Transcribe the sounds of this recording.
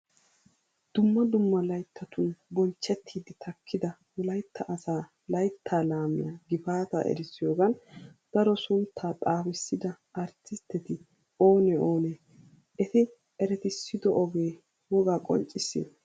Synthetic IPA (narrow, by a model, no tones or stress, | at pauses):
d̪̥ʊmːɐd̪ʊmːɐlɐjt̪ʰːɐt̪ʊnbɔlt͡ʃːɛt̪ʰːiːd̪ɪt̪ʰɐkʰːɪd̪ɐ | wʊlɐjt̪ʰːɐʔɐsaː | lɐjt̪ʰːaːlaːmɪ̰jaːɡɪfaːt̪ɐ̰ʔɛ̰ɾɪsːɪjo̞ːɡɐnd̪̥ɐɾɔsʊnt̪ʰːaːt̪ʼaːwɪsːɪd̪ɐ | ɐɾt͡sːɪst̪ːɛt̪ɪ | o̞ːnɛoːnɛ | ɛt̪ɪ | ɛɾɛt̪ɪsːɪd̪ɔʔɔɡe̞ː | wɔɡaːkʼɔ̰nt͡ʃʼːɪsːɪ̰